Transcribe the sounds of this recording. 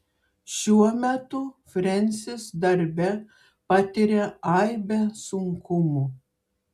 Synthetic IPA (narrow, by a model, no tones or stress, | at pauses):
ʃʲuɔmʲæt̪ʊfʲɾʲɛnʲsʲɪsd̪ɐɾʲbʲɛ | pɑt̪ʲiɾʲeɑɪbʲɛsʊŋkʊmʊ